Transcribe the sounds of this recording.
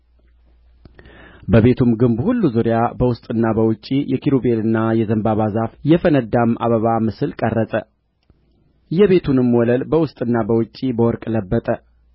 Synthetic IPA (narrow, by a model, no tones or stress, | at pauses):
bəβe̞t̪ʰumɡɨmbhulːuzuɾjabəwʊst̪ʼɨnːabəwʊt͡ʃʼːijɛkʰiɾubelɨnːajɛzəmbaβazafjɛfənəd̪amʔa̰βəβamɨsɨlkʼərːəsʼə | jɛβe̞t̪ʰunɨmːwɔləlbəwʊst̪ʼɨnːabəwʊt͡ʃʼːibəwɔɾkʼləbːət̪ʼə